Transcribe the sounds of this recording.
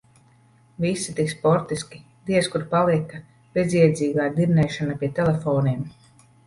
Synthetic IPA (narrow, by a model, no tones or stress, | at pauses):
visːit̪ikspɔɾt̪iskʲi̥ | d̪iɛskuɾpalˠiɛkɐ | b̥eziɛd̪ziːɡaːd̪iɾnɛjʃanapiɛt̪ɛlefɔːniɛm